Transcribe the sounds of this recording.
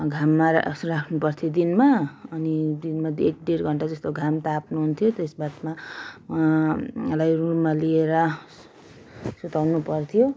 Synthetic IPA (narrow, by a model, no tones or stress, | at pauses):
ɡʱamːarakʰnupʌrt̪ʰjod̪inmaʌnid̪inmad̪ek̚ɖerɡʱʌɳʈad͡zʌst̪oɡʱamt̪apnuɦunt̪ʰjot̪esbat̪maalajrumalieɾʌ | sut̪awnupʌrt̪ʰijo